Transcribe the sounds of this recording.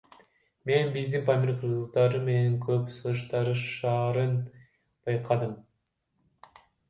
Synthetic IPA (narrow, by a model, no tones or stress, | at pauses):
me̞nbizd̪inpamʲeɾqʰɯɾʁɯzd̪ɑɾɯme̞neŋkʰøpsɯlˠɯʃt̪ɑɾɯʃɑːɾɯn | b̥ɑjqʰɑd̪ɯm